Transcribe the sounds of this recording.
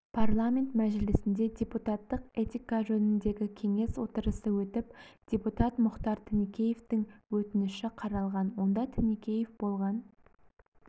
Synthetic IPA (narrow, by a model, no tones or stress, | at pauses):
pʰarlˠamʲe̞nt̪mæʒɪlɪsɪnd̪e̞dʲe̞put̪at̪ːəqe̞t̪ʲikaʒɵnɪnd̪e̞ɡʲɪkʲʰe̞ŋe̞swo̞t̪əɾəsəwɵt̪ɪpd̪̥ʲe̞put̪at̪mʊχt̪ɑɾt̪ʰɪnikʲe̞je̞ft̪ɪŋwɵt̪ɪnɪʃɪqʰɑɾɑlˠʁɑnwo̞nd̪ɑt̪ʰɪnikʲe̞je̞fbo̞lˠʁɑn